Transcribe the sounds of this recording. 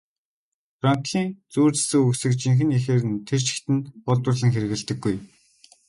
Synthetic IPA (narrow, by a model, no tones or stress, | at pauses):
fraŋ̥k̪ɮiːŋt͡suːrt͡ssɘ̆kuksɘ̆kt͡ɕiŋxɘ̆nixeːrɘ̆nt̪ʰer̥t͡ɕɪ̥̆xt̪ɘ̆npɔɮt̪ʊ̆rɮə̆ŋxeɾɘ̆ɣɘ̆ɮt̪ɘ̆ɡːuj